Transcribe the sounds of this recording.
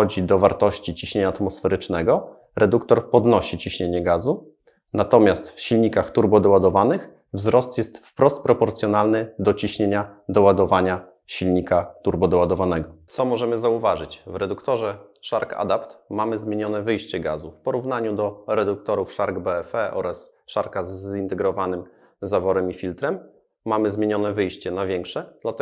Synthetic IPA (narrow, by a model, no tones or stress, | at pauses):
ɔd͡ʑid̪ɔvaɾt̪ɔɕt͡ɕit͡ɕiɕɲeɲaːt̪mɔsfɛɾɘt͡ʂnɛɡɔ | ɾɛd̪ukt̪ɔɾpɔd̪nɔɕit͡ɕiɕɲeɲɛɡazu | nat̪ɔmʲjast̪fɕilɲikaxt̪uɾbɔd̪ɔwad̪ɔvanɘx | vzɾɔst̪jɛst̪fpɾɔst̪̚pɾɔpɔɾt̪sʲjɔnalnɘd̪ɔt͡ɕiɕɲeɲad̪ɔwad̪ɔvaɲa | ɕilɲikat̪uɾbɔd̪ɔwad̪ɔvanɛɡɔt̪sɔmɔʐɛmɘzauvaʐɘt͡ɕvɾɛd̪ukt̪ɔʐɛʂaɾka̰d̪apt̪mamɘzmʲjeɲɔnɛvɘjɕt͡ɕɛɡa̰zufpɔɾuvn̪aɲud̪ɔɾɛd̪uk̚t̪ɔɾufʂaɾɡbɛɛfɛʔɔ̰ɾas | ʂaɾkazint̪ɛɡɾɔvanɘm | zavɔɾɛmifʲilt̪ɾɛmː | amɘzmjeɲɔn̪ɛvɘjɕt͡ɕɛnavʲjɛŋkʂɛd̪̥lat̪ɛ